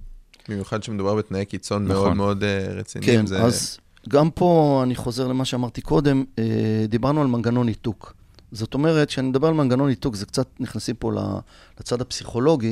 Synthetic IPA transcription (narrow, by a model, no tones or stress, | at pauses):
bimjuχad̪ʃemed̪ubaʁbet̪najekit͡so̞nmeodmeo̞d̪ʁet͡sḭnkenzeaz | ɡampʰo̞aniχo̞ze̞ʁle̞maʃeamaʁt̪iko̞d̪e̞med̪ibaʁnualmanɡano̞nit̪uk | zo̞t̪o̞me̞ʁetʃeanimed̪abe̞almanɡano̞nit̪ukzekt͡sat̪̚niχnasimpo̞la̰ | lat͡sad̪apsiχo̞lo̞ɡi